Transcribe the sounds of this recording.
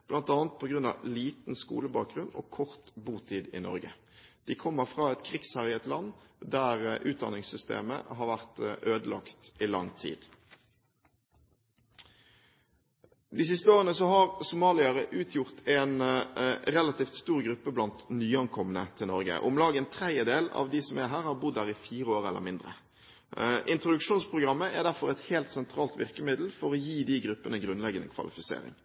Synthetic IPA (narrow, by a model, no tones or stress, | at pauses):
b̥lɑnt̪ɑːnt̪̚pʰoɡʁʉnɑ̰liːt̪n̩skṵːləbɑːk̚ɡʁʉno̰ːkʰɔʁt̪buːt̪ʰiːd̪ɪ̰nɔ̰ʁɡə | d̪̥ɪkʰɔmːəʁfʁɑːɛt̪kʰʁɪkshæʁɪɛt̪lɑnːd̪æʁʔʉːt̪̚d̪ɑ̰nɪŋsʏst̪ḛːmə̰ɦɑːʁʋæʁt̪ʔøːd̪əlɑ̰kt̪ɪlɑ̰ŋt̪ʰḭːd̪̥ | d̪ɪs̬ɪst̪əoːʁənəsɔhɑʁsʊmɑːlɪɑʁəʔʉːt̪ʰjʊʁt̪ʰɛn | ʁɛlɑt̪iːft̪st̪uːʁɡɾʉpːəblɑnt̪nyːɑnkʰɔmənət̪ʰɪlnɔʁɡə̰ʔʊmlɑːɡəənt̪ʰɾɛd̪jəd̪eːlɑ̰ʋd̪ɪsɔmæɦæːʁhɑʁbʊd̪ːæːʁɪfiːʁəoːʁɛlʔə̰mɪnd̪ʁə̰ | ʔɪnt̪ɾʊd̪ʉkʃuːnspʰʁʊɡʁɑmːəʔæd̪æɾfɔʁɛt̪heːlt̪sɛnt̪ʰɾɑːlt̪ʋɪ̰ʁkəmɪd̪l̩fɔʁɔjiːd̪ɪɡɾʉpːənəɡɾʉnlɛɡənəkʰʋɑ̰lɪfɪsḛːʁɪ̰ŋ